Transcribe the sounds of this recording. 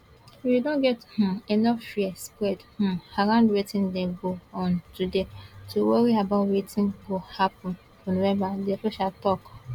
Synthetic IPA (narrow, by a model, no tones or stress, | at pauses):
fudõnɡɛthũenɔfːiɛspɾɛdhũaɾãndwetĩndɛ̃ɡoɔ̃ntudetuwɔɾiabaʊtwetĩnɡohapɔ̃n | fonowɛvadefoʃatɔk